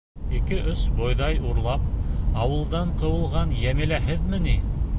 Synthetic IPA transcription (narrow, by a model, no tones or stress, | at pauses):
ikɘʔɵsbojðɑjuɾlˠɑp̚ɑwɤ̆lˠd̪ɑɴqɤ̆wɤ̆lˠʁɑnjæmɘ̆læɦɘðmɘni